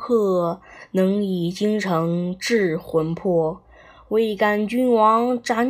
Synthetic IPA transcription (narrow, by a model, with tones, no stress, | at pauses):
kʰɤ˥˩nɤ˧˥ŋi˨˩t͡ɕi˥ŋʈ͡ʂʰɤ˧˥ŋʈ͡ʂɻ̩˥˩xwə˧˥npʰɔ˥˩ | we˥˩ɪka˥˩nt͡ɕy˥nwɑ˧˥ŋʈ͡ʂa˧˥n